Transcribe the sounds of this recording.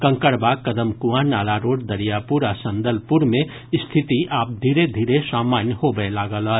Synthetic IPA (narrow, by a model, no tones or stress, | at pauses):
kə̃ŋkəɾbakəd̪əmkuanaːlaɾoːɖd̪əɾijapuɾasə̃nd̪əlpuɾmẽ | st̪ʰit̪iʔaːp̚d̪ʱiːɾed̪ʱiːɾesaːmaːnjəhobelaɡəlɦə